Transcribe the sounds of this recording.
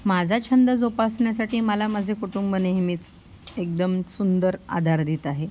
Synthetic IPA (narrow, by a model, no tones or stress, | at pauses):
mad͡zʱat͡ɕʰənd̪əd͡zopasɳjasaʈiːməlaməd͡zʱekuʈumbəneɦmiːt͡s | ek̚d̪əmsund̪əɾa̰d̪ʱaɾd̪iːt̪aɦe